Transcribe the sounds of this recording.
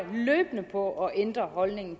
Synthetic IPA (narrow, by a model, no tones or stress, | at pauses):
løːb̥nəpʰɒ̽ʔɒ̽ʔend̥ʁɐɦɒ̽lne̝ŋn̩t͡sʰ